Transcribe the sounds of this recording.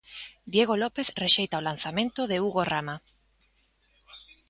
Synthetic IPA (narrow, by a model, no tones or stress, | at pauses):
d̪jeɣolopeθreʃejt̪aolan̟θamẽnt̪oðeuɣorama